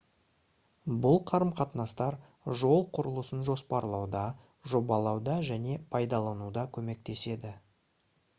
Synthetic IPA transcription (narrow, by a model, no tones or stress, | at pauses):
bʊlˠqʰɑɾəmqʰɑt̪nɑst̪ɑɾ | ʒo̞lˠqʰʊɾəlˠəsənʒo̞spɑɾlˠɑwd̪ɑ | ʒo̞bɑlˠɑwd̪ɑʒæne̞pʰɑjd̪ɑlˠɑnud̪ɑkʲʰɵme̞k̚t̪e̞se̞d̪ɪ